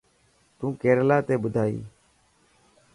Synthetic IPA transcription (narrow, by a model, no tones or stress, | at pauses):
t̪ũːkeːɾlaːt̪eːɓʊd̪ʱaːḭː